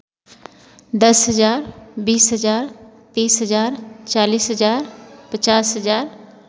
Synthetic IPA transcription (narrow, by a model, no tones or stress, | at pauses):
d̪ɐsɦəzaːɾbiːsɦəzaːɾt̪iːsɦəzaːɾt͡ʃaːliːsɦəzaːɾpət͡ʃaːsɦəzaːɾ